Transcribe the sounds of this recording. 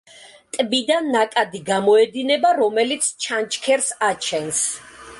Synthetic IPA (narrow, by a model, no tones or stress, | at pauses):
t̪ʼbid̪anːakʼad̪iɡamɔɛd̪inɛbaɾɔmɛlit̪sʰt͡ʃʰant͡ʃʰkʰɛɾsat͡ʃʰɛns